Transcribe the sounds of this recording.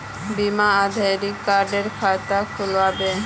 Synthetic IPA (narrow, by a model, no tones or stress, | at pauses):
bimaad̪ʱaɾikːaɾɖeɾfʰat̪akʰulwabe